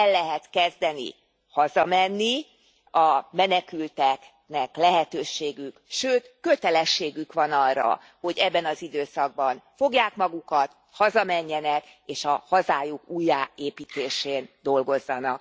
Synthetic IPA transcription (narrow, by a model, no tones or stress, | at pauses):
ɛlːɛɦɛt̪kɛzd̪ɛnḭ | hɒzɒmɛnːi | ɒmɛnɛkylt̪ɛk | nɛklɛɦɛt̪øːʃeːɡykʃøːt̪kø̞t̪ɛlɛʃːeːɡykʋɒnɒrːɒ̰ | ho̞ɟɛbːɛnɒzid̪øːsɒɡ̚bɒnfo̞ɡjaːkmɒɡukɒt̪ | hɒzɒmɛɲːɛnɛk | eːʃɒhɒzaːjukuːjaːeːpiːt̪eːʃeːnd̪o̞lɡo̞zːɒnɒk̚